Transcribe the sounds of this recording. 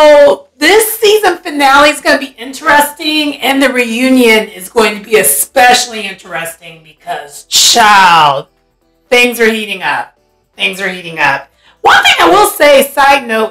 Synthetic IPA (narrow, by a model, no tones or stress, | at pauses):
soʊðɪsizɨ̃nfɨnælˠizɡʌnɨbiʔɪ̃nt͡ʃɹ̥ɨstɪ̃ŋɨ̃nðɨɹijʉ̃njɨ̃nɪzɡoʊɪ̃ŋtʰɨbiɨspɛʃl̩ˠiɪ̃nt͡ʃɨstɪ̃ŋbɨkʰʌz̥t͡ʃʰaɪlˠd̚ | θɪ̃ŋzə˞hiɾɪ̃ŋʌ̰p̚ | θɪ̃ŋzə˞hiɾɪ̃ŋʌ̰p̚ | wʌ̃nθɪ̃ŋaɪwɪlˠseɪsaɪdⁿnoʊt